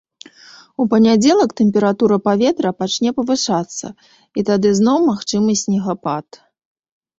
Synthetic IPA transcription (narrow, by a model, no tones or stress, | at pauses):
upɐnʲad͡zʲɛlˠɐkt̪ɛmʲpʲɛɾat̪uɾɐpavʲɛt̪ɾɐpat͡ʂnʲɛpɐvɨʂat̪sːɐ̰ | it̪ad̪ɨznɔwmaxt͡ʂɨmɨsʲnʲɛɣapat̪